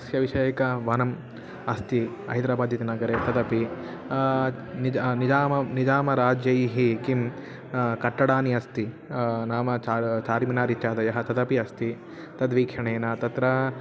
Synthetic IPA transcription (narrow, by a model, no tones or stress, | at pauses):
ɐsjɐʋiʃɐjɐkɐʋɐnɐm | ɐst̪i | ɐ̰ɦid̪ɾaːbaːd̪jɐt̪inɐɡɐɾeːt̪ɐd̪ɐpi | ninid͡ʒaːmɐnid͡ʒaːmɐɾaːd͡ʒjɐjiɦikim | kɐʈːɐɽaːniɐst̪i | naːmɐt͡ʃaːt͡ʃaːɾiminaːɾit̪jaːd̪ɐjɐɦɐt̪ɐd̪ɐpiɐst̪i | t̪ɐd̪ʋiːkʃɐɳeːnɐt̪ɐt̪ɾɐ